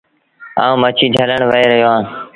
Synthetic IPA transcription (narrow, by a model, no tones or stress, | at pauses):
ã̰ːũːmət͡ʃʰiːd͡ʒʱələɳʋəeːɾəɦjoːɦãː